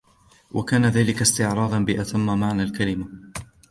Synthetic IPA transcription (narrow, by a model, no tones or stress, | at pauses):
wʔa̰kaːnaðaːlɪkast̪ɪʕɾˤɑːd̪ˤɑnbɪʔat̪ʰamːamaʕnalkalɪma